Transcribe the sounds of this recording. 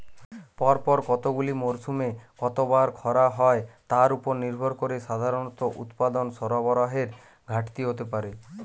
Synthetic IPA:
pɔɾpɔɾkɔt̪oɡulimoɾsumekɔt̪obaɾkʰɔɾaɦɔet̪aɾupɔɾniɾbʱɔɾkoɾeʃad̪ʱaɾonɔt̪oʔṵt̪pad̪onsɔɾabɔɾaɦeɾ | ɡʱaʈt̪iɦot̪epaɾe

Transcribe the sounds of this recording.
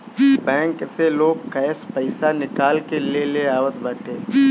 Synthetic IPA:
bɛ̃ːŋkseloːɡ̚kɛːspəɪsanɪkaːlkeleleaːʋət̪bəːʈeː

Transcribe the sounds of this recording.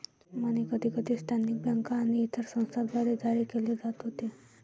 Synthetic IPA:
məñikəd̪ʱiːkəd̪ʱiːst̪ʰanik̚bjəŋkaːñiːt̪ʰəɾsə̃w̃st̪ʰad̪baɾed͡zaɾikeled͡zat̪ɦot̪e

